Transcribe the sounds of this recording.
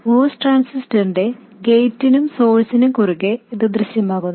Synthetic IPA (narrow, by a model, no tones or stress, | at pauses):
moːsʈraːnsisʈɐɳɖe | ɡejtːinumso̞ːlsinumkuɾuɣeiðɨd̪rɨɕjɐmaːɣunː